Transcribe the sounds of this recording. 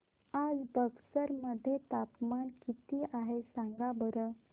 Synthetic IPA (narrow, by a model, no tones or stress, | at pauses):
ad͡zbəɡsəɾməd̪ʱːjet̪apmankit̪iʔaɦesãŋɡabəɾə